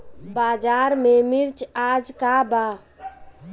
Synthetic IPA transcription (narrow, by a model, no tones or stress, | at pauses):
bad͡ʒaɾmemiɾt͡ʃad͡ʒkaba